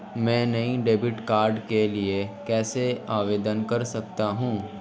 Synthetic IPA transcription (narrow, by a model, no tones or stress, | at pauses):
mɛ̃ːnɐɦĩɖeːbɪʈkaːɾɖkeliekɛːseaːʋeːd̪ənkɐɾsɐkt̪aɦũː